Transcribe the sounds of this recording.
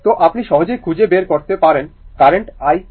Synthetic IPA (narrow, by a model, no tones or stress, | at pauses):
t̪oʔapniʃɔɦod͡ʑojkʰud͡ʑebeɾkoɾt̪epaɾenkaɾeɳʈaj